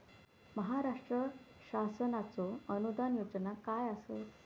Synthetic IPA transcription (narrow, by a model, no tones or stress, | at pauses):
məɦaɾaʂʈɾə | ɕasənat͡soənud̪anjod͡ʑənakajasə